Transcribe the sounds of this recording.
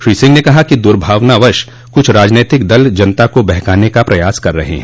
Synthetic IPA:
ʃɾiːsɪ̃ŋɡnekɐɦakid̪ʊɾbʱaːʋnaʋɐɾʃ | kʊt͡ʃʰɾaːd͡ʒneːt̪ɪkd̪ɐld͡ʒɐnt̪akobɛɦkaːnekapɾɐjaːskɐɾːɐ̰ɦḛɦɛ̰̃ː

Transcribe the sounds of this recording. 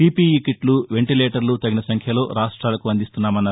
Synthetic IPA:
iːpiːikiʈluʋe̞ɳʈileːʈɐɾlut̪ɐɡinɐsɐŋkʰjɐlo̞ːɾaːʂʈɾaːlɐkuɐnd̪ist̪unːaːmɐnːɐ

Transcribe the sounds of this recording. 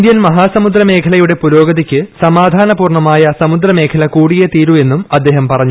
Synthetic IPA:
nd̪jɐnmɐɦaːsɐmud̪ɾɐme̞ːkʰɐlɐjuɽe̞puɾo̞ːɡɐðikʲːɨsɐmaːd̪ʱaːnɐpuːrɳɐmaːjɐsɐmud̪ɾɐme̞ːkʰɐlɐkuːɽijɐt̪iːɾue̞nːumɐd̪ːe̞ːɦɐmpɐrɐɲːu

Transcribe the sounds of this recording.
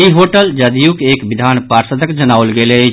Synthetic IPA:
iɦoːʈəld͡ʒəd̪ijukeːkbɪd̪ʱaːnpaːɾsəd̪ʱəkd͡ʒənaːwlɡele

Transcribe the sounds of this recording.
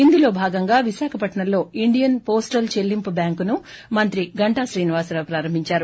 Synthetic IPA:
ind̪ilo̞ːbʱaːɡɐŋɡaːʋiʃaːkʰɐpɐʈɐɳɐlːo̞ːiɳɖijɐnpo̞ːsʈɐlt͡ʃe̞lːimpubjaːŋkunu | mɐnt̪ɾiɡɐɳʈaːʃɾiːniʋaːsɾɐːpɾaːɾɐmbʱiɲt͡ʃaːɾu

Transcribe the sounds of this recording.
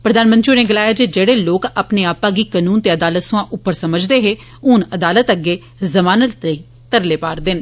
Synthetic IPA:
pɾəd̪aːnmə̃nt̪ɾioːneːɡəlaːjaːd͡ʒeːd͡ʒeːɽeːloːkaːpneːaːpãːɡiːkanuːnt̪eːəd̪aːlət̪sʊ̃ãːʔʊpːəɾsəməd͡ʒd̪eːɦeː | ʊnəd̪aːlət̪əɡːeː | zəmaːnəlt̪əiː | t̪əɾleːpaːɾd̪ɪn

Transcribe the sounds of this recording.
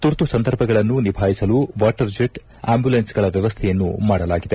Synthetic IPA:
t̪uɾt̪usɐnd̪ɐɾbʱɐɡɐɭɐnːunibʱaːjisɐluːʋaːʈɐɾd͡ʒeʈ | aːmbulensɡɐɭɐʋjɐʋɐst̪ʰɛjɐnːumaːɽɐlaːɡid̪e̞

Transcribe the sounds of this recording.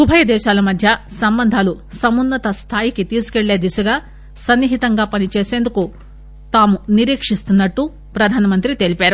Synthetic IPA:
subʱɐjɐd̪ɛːʃaːlɐmɐd̪ʱjɐsɐmbɐnd̪ʱaːlusɐmunːɐt̪ɐst̪ʰaːjiket̪iskeɭːeːd̪isɐɡɐ | sɐnːiɦit̪ɐŋɡɐpɐnit͡ʃeːsend̪uku | t̪aːmuniɾiːkʂist̪unːɐʈːu | pɾɐd̪ʱaːnɐmɐnt̪ɾit̪eːlipeːɾu

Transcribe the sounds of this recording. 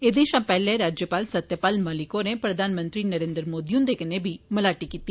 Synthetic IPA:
eːd̪ẽʃãːpɛːlẽɾaːd͡ʒjəpaːlsət̪jəpaːlməlɪkoneːpɾəd̪ʱaːnmə̃nt̪ɾiːnəɾẽːnd̪əɾmoːd̪iːʊ̃nd̪eːkɪneːbʱiːməlaːʈiːkiːt̪ːi

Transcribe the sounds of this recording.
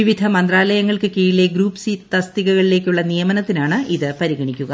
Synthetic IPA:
iʋid̪ʱɐmɐnd̪raːlɐjɐŋːɐɭkɨkiːɻile̞ɡɾuːpsiːtt̪ɐst̪iɣɐɣɐɭile̞ːkʲːuɭːɐnijɐmɐnɐt̪ːinaːɳɨʔiðɨpɐɾiɣɐɳikʲːuɣɐ

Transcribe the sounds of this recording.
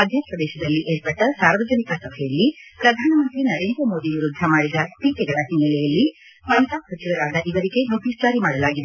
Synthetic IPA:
ɐd̪ʱjɐkʂɐd̪ɛːʃɐd̪ɐlːiʔeːɾpɐʈːɐsaːɾʋɐd͡ʒɐnikɐsɐbʱɛjɐlːipɾɐd̪ʱaːnɐmɐnt̪ɾinɐɾe̞ːnd̪ɾɐmoːd̪iʋiɾud̪ʱːɐmaːɽid̪ɐspiːkɛɡɐɭɐɦinːɛlɛjɐlːi | mɐnt̪aːsɐt͡ʃiʋɐɾaːd̪ɐʔiʋɐɾiɡe̞noʈ̪isd͡ʒaːɾimaːɽɐlaːɡid̪e

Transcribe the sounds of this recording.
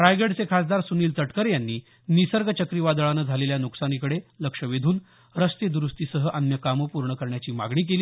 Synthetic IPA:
ʈɾajɡeɽt͡sekʰasd̪aɾsuniːlt͡s̪əʈkəɾjanːiː | nisəɾɡət͡ɕəkɾiʋad̪əɭanəd͡zʱaleljanuksanikəɽeləkʂəʋed̪ʱuːn | ɾəst̪ed̪uɾust̪iːsəɦəʔanjəkamopuɾɳəkəɾɳjat͡ɕiːma̰ɡɳiːk̬eliː

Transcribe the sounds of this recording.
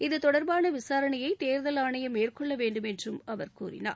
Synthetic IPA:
ɪðɯt̪ɔɽɐɾbaːnɐʋɪsaːɾɐnɐjɐɪt̪eːɾðɐlaːɳɐjɐmeːrkɔɭːɐʋeːɳɖɯmɛndrɯmɐʋɐɾkṵːɾɪ̰na̰ː

